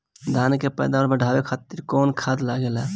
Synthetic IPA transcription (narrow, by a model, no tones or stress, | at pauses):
d̪ʱankepəjd̪aməɾbəɖʱabekʰat̪iɾkɔnkʰad̪laɡelɛ